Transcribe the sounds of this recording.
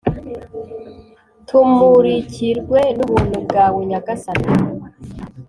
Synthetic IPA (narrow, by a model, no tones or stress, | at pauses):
tʰumuɾiciɾɡwe̞nuβuːnhubɡaːwuɲaɡasatu